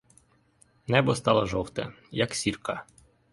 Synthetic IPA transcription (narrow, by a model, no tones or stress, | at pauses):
nɛbɔst̪ɑlˠɐʒɔwt̪ɐ̰ | jɐksʲirkɑ